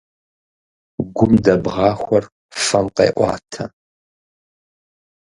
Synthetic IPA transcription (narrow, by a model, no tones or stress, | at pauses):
ɡʷʊmdɐbʁɑːxʷɔr | fɐmqḛːʔʷɑ̰ːtʰɐ